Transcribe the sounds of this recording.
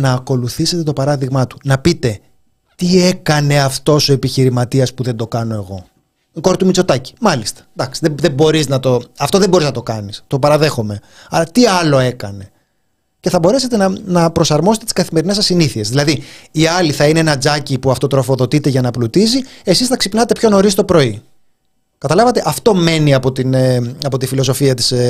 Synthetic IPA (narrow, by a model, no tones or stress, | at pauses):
nɐːko̞luθise̞t̪e̞t̪opɐɾɐðiɣmɐt̪u̥nɐpit̪e̞ | t̪ie̞kɐne̞ɐft̪o̞soe̞piçiɾimɐt̪iɐspuðend̪o̞kɐno̞e̞ɣo̞̰ | iko̞ɾit̪umit͡so̞t̪ɐci̥mɐlist̪ɐ̥d̪ɐksi̥ðeðebo̞ɾiznɐt̪o̞ɐft̪oðeboɾiznɐt̪o̞kɐnist̪o̞pɐɾɐðe̞xo̞me̞ | ɐlɐt̪iɐlo̞e̞kɐne̞ | ce̞θɐbo̞ɾe̞se̞t̪e̞nɐnɐpɾo̞sɐɾmost̪t̪i̥skɐθime̞ɾine̞sɐsːiniθie̞zðilɐðiiɐliθɐine̞enɐd͡zɐcipuɐft̪o̞t̪ɾo̞fo̞ðo̞t̪it̪e̞ʝɐnɐplut̪izie̞sisθɐksipnɐt̪e̞pço̞noɾist̪o̞pɾo̞i | kɐt̪ɐlɐvɐt̪e̞ʔɐft̪ome̞niɐpo̞t̪ineɐpo̞t̪ifilo̞so̞fiɐt̪i̥s